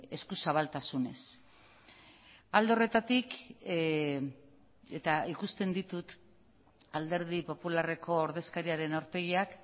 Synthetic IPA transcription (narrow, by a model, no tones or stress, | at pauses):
e̞skusaβ̞alt̪asune̞̰s | ald̪eore̞t̪at̪ik | e̞t̪aikust̪e̞nd̪it̪ut̪ | ald̪e̞ɾðipo̞pulare̞ko̞ːɾðe̞skaɾiaɾe̞nawɾpe̞ɣiak